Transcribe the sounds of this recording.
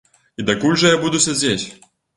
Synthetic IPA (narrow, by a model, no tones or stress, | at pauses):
id̪akulʲʐɐjabud̪usʲad͡zʲet͡sʲ